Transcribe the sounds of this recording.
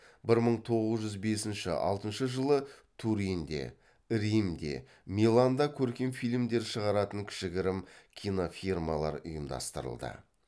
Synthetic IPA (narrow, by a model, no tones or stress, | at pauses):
bɪɾməɴt̪ʰo̞ʁəzʒʏzbe̞sɪnʃɪ̰ʔɑ̰lˠt̪ənʃəʒəlˠət̪ʰuɾind̪e̞̰ | ɾimd̪e̞̰ | mʲilˠand̪ɑkʲʰɵɾkʲe̞nfijlʲmd̪e̞ɾʃəʁɑɾɑt̪əŋkʲʰɪ̥ʃɪɡʲɪɾɪmkʲʰino̞firmɑlˠɑ̰ɾʊ̰jəmd̪ɑ̰st̪əɾə̰lˠd̪ə̰